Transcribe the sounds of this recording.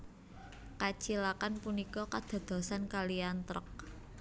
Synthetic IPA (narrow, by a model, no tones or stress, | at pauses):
kat͡ʃilakanpunikɔkad̪̥ɔ̤d̪̥ɔ̤sankaliant̪ɾə̰k̚